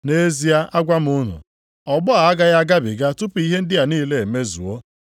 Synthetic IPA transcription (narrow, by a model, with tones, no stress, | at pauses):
ne˦zi˨a˦ʔa˦ɡʷa˦m̩˦ʊ˦nʊ̰˨ | ɔ˨ɡ͡bʊ˦a˨a˦ɡa˦ɣa˦ɡa˦bɪ˨ɡa˦tʊ˦pʊ˨i˦ɦe˦n̩˦dɪ˦ja˨niː˦le˦˨e˨me˦zṵ˨o˦